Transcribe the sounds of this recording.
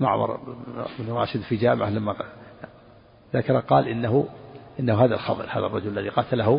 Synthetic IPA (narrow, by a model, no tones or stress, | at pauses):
ma̰ʕ̰mɑ̰ɾˤbnrˤɑ̰ːʃɪd̪fid͡ʒaːmɪʕalamːa | ðakɑɾˤɑqɑːlʔɪnːaɦʊʔɪnːahuhaːðalxɑ̰ðˤɨ̰ɾhaːða̰rˤːɑd͡ʒʊllːaðiqɑt̪ʰalaɦʊ